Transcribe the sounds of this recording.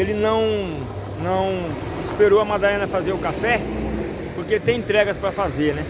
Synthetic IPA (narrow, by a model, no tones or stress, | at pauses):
elɪnɐ̃w̃ | nɐ̃w̃ | ispeɾoɐmad̪alẽnɐfazeɾʊkafɛ | poɾkeelɪt̪ẽj̃ẽnt̪ɾɛɡɐspɾɐfazeɾnɛ